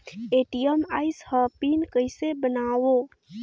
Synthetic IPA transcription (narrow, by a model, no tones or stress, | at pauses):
eʈijəmaːjshəpinkəjsebənaːwo